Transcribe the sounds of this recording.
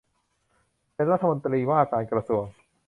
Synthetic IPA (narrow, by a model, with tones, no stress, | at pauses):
pe˧nɾa˦˥t̪ʰːa˧mo˧nt̪ɾiː˧waː˥˩kaː˧nkɾa˧su˨˩əŋ